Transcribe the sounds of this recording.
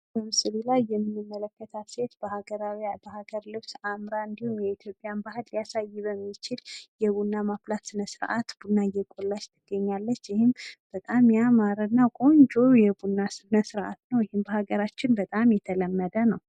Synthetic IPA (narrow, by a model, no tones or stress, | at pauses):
bəmɨsʼɨɾilajːɛmːɨnːɨmːələkːət̪ʰaset̪bəhaɡəɾawabəhaɡəɾlɨβsamɾaɨnd̪ihumjɛit̪ʰjo̞pʼjanbahɨlːijasajːɪβəmːit͡ʃɪljɛβunːamaflat̪sɨnəsɨɾʔa̰t̪b̥unːajɛkʼolːat͡ʃt̪ʰɨɡːəɲːalːət͡ʃːjɪhɪmb̥ət̪ʼamjamaɾənːakʼo̞nd͡ʒojɛbunːasɨnəsɨɾʔa̰t̪nəwjɪhɪmbəhaɡəɾat͡ʃːɪnbət̪ʼamjɛt̪ʰələmːəd̪ənəw